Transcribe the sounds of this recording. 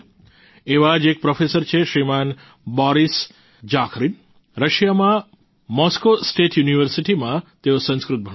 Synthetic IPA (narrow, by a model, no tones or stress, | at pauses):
eʋad͡ʒek̚pɾɔfʰesəɾt͡ʃʰeʃɾiman | bɔɾis | d͡ʒakʰɾin | ɾəʃjamã | mɔskosʈeʈʰjuniʋəɾsiʈimãt̪eosə̃nskɾut̪̚bʱə